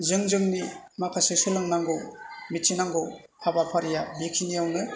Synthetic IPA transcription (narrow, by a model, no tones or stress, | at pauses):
zɯŋzɯŋni | makʰasɯjsɯlɯŋnaŋɡowmit͡ʃinaŋɡow | abapʰaɾijabikʰiniawnɯ